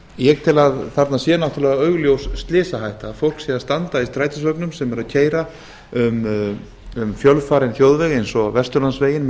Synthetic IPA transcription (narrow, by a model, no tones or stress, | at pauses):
jɛɣt̪ʰɪlaðθaɾt̪nasjɛnawht̪ʏɾlɛːɣaœɥɣljowsst̪lɪːsaɦajht̪afowl̥ksjɛðast̪ant̪aist̪ɾaːjt̪ɪsvœknʏmsɛmɛɾaðcʰeːjɾa | ʏm | ʏmfjœlfaːɾɪnçjoːwðvɛɣejnsɔvɛst̪ʏɾlansveːjɪn